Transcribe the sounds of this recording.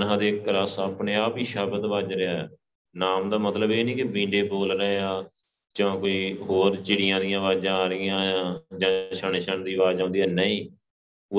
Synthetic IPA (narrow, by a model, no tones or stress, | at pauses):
nɦãːd̪eːkːlaːsaːpneːaːpiːʃaːbəd̪ʋaːd͡ʒɾeaːɛː | naːmd̪aːmət̪ləbeːnĩːkɪbĩːɳɖeːboːlɾəeaː | d͡ʒãːkoːiːɦoːɾt͡ʃɪɽɪjãːd̪ɪjãːʋaːd͡ʒãːaːɾɪjãːd͡ʒãːt͡ʃʰəɳeːʃʰəɳd̪iːʋaːd͡ʒãːnd̪iːɛːnəiː | ʊ